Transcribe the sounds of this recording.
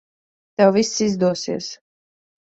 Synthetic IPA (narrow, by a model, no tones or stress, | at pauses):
t̪ɛwvisːizd̪uɔsiɛs